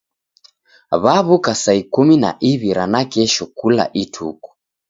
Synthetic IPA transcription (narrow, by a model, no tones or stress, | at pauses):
βaβukasaikumina̰ʔiβiɾanakɛʃɔkula̰ʔitʰṵku̥